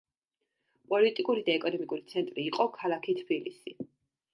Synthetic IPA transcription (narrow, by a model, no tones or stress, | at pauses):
pʼɔlit̪ʼikʼuɾid̪aɛkʼɔnɔmikʼuɾit̪sʰɛnt̪ʼɾiːqʼɔkʰalˠakʰit̪ʰb̥ilḭsi